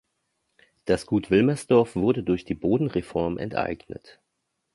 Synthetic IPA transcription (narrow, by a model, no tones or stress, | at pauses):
d̥asɡ̥uːtv̥ɪlmɛsd̥ɔɐfv̥ʊɐdədʊɐçd̥iːboːdn̩ʁefɔɐmʔɛ̰ntʔa̰ɪɡnə̰t